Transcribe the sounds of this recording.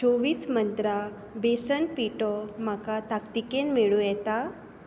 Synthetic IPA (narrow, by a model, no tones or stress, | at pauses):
t͡ɕoʋiːsmənt̪ɾa | besənpiʈɔm̤akat̪akt̪ikenmeɭujɛt̪a